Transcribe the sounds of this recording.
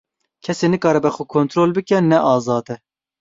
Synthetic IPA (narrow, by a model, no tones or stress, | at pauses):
kʰɛseːnɨkɑːɾɛbɛxukʰont̪ʰɾoːlbɨkɛnɛʔɑːzɑːd̪ɛ